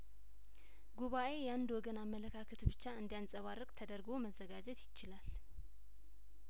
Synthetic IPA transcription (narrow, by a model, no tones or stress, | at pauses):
ɡuβaʔe̞jɛand̪wɔɡənamːələkʰakʰət̪bɨt͡ʃːaɨnd̪ijansʼəβarːɨkʼt̪ʰəd̪əɾɡo̞məzːəɡad͡ʒɛt̪jɪt͡ʃːɪlal